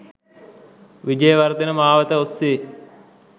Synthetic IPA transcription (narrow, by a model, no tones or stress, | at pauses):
ʋid͡ʒəjəʋaɾt̪enəmaːʋət̪əost̪i